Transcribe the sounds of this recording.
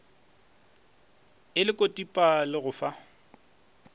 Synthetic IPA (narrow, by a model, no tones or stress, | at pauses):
ɪlɪkʼotʼipʼalɪɣʊfa